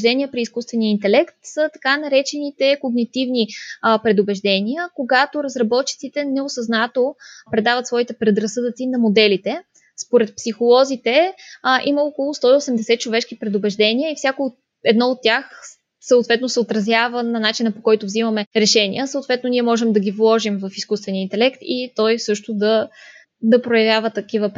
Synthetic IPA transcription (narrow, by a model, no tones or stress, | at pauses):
d̪ɛnʲiəpɾiːskust̪vɛnijəint̪ɛlɛkt̪sət̪ɐ̥kanɐɾɛt͡ʃɛnit̪ɛkoɡnit̪ivnipɾɛd̪obɛʒd̪ɛniəkoɡat̪oɾəzɾɐbɔt̪̚t͡ʃi̥t̪sit̪ɛnɛosɐznat̪opɾɛd̪avɐt̪svɔit̪ɛpɾɛd̪ɾɐsɤd̪ət̪sinɐmod̪ɛlit̪ɛ | spoɾɛt̪̚psixolˠɔzit̪ɛʔiməokolˠʊst̪ɔiosɛmd̪ɛsɛt̪̚t͡ʃovɛʃkipɾɛd̪ʊbɛʒd̪ɛniəifsʲjako | ɛd̪nɔot̪ːʲjax | səoʊt̪vɛt̪nosɛot̪ɾɐzjavənɐnat͡ʃinəpokɔjt̪ovzimɐmɛɾɛʃɛnḭəsəot̪vɛt̪noniɛmɔʒɛmd̪ɐɡʲivlˠɔʒimvɐfiskust̪vɛniəint̪ɛlɛkt̪it̪ɔjsɤʃt̪od̪ɐ | d̪ɐpɾojɐvʲjavət̪ɐkivəp